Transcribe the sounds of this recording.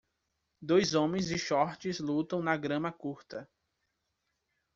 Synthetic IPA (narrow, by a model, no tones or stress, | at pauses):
d̪ojzõmẽj̃zɪʃɔɾt͡ʃɪzlut̪ɐ̃w̃nɐɡɾɐ̃mɐkuɾt̪ɐ